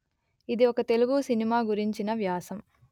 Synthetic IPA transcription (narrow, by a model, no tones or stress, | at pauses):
id̪iokɐt̪e̞luɡusinimaːɡuɾiɲt͡ʃinɐʋjaːsɐm